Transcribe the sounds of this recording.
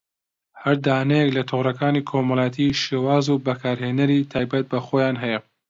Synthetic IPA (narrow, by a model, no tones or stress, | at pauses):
hɐɾd̪aːnɐjeklɐt̪ʰʊɣrɐkaːniːkʰomɑlˠɑjɛt̪ʰiːʃewaːzubɐkʰaːɾheːnɐɾiːt̪ʰaːjbɐt̪̚bɐχojaːnɦɛjɛ